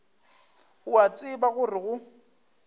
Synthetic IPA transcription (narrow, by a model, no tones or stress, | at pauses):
ʊat͡sʼɪbaɣʊrɪɣʊ